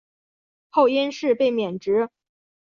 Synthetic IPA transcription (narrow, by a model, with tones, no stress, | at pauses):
xo˥˩ʊɛ˥nʂɻ̩˥˧pe˥˩ɪmjɛ˨˩nʈ͡ʂɻ̩˧˥